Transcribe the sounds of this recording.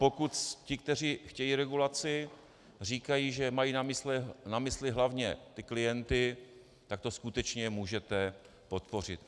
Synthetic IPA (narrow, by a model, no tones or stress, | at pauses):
pokut̪cɪk̚t̪ɛr̝iːxcɛjiːɾɛɡulat͡sɪ | r̝iːkajiːʒɛmajiːnamɪslɛnamɪslɪɦlavɲɛt̪ɪklɪjɛnt̪ɪ | t̪ak̚t̪o̞skut̪ɛt͡ʃɲɛmuːʒɛt̪ɛ | po̞t̪po̞r̝ɪt̪